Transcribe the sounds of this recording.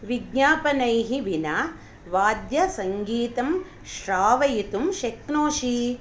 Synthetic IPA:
ʋiɡɲaːpɐnɐjɦiʋina | ʋaːd̪jɐsɐŋɡiːt̪ɐm | ʃɾaːʋɐjit̪umʃeknoːʃi

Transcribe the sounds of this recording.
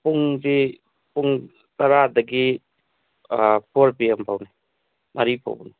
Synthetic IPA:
puŋzi | puŋ | tɐɾadɐɡi | pʰoɾbiampʰawna | mʔaɾipʰo̰b̰ni

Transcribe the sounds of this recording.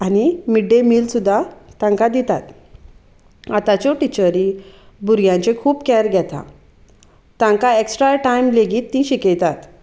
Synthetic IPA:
añimiɖːemiːlsud̪ʱːat̪ãŋkad̪it̪at̪ | at̪at͡ɕɔʈit͡ɕəɾĩ | buɾɡjãɲt͡ɕekʰuːpkɛɾɡʱjɛt̪ã̰ | t̪ãŋkaeksʈɾaʈajmleɡiːt̪ːĩɕikejt̪at̪

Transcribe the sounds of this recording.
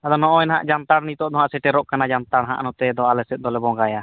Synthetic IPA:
ad̪ɔnɔʔɔɛnaɦa̰ʔd͡ʒant̪aɽnit̪ɔʔd̪ɔɦaʔsɛʈɛɾɔʔkanad͡ʒant̪aɽɦa̰ʔnɔt̪ɛd̪ɔalɛsɛt̪̚ˀd̪ɔlɛbɔŋɡaja

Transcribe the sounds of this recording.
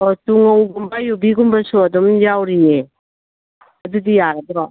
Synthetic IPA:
ɔtuŋowɡumbajubiɡumbasuadɔmjawɾine | ɐdudijaɾadɾɔ

